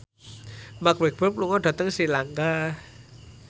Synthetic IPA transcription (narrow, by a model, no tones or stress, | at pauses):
makwek̚b̥əp̚luŋɔɖ̥a̤t̪əŋsilaŋka